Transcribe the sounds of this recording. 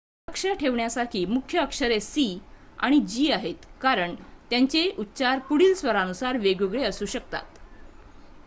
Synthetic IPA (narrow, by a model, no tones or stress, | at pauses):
əkʂəɾʈʰeʋɳjasaɾʈʰiːmukʰːjəːkʂəɾesi | a̰ɽ̃id͡ʑiːaɦet̪kaɾəɳt̪jaɲt͡ɕeʔut̪ːt͡ɕaɾpuɽiːlsʋəɾanusaɾʋeɡʋeɡɭeəsuːɕəkt̪a̰t̪